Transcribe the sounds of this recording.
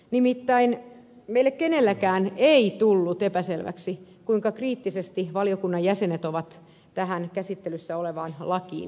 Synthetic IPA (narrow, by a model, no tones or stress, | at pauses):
nimit̪ːæin | meilːekkenelːækæːneit̪ulːut̪epæselʋæ̰ksikuiŋkɑkriːt̪ːisest̪iʋɑliokunːɑjæsenet̪oʋɑt̪ | t̪æɦænkæsit̪ːelysːæoleʋɑːnlɑkḭːn